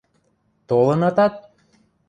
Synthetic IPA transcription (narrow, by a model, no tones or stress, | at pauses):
t̪olənɑt̪ɑt̪̚